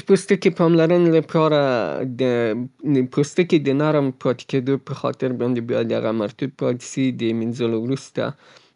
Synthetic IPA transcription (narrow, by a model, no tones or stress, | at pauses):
post̪əkepɑmlaɾənlapʰɑɾad̪ə | pʰost̪əked̪ənaɾəmpɾɑt̪e̥ked̪opəxɑ̰t̪ɪɾbɑnd̪ebɑjad̪a̰ɣamaɾt̪ub̚pɑt̪sid̪əminzəlowɾust̪a̰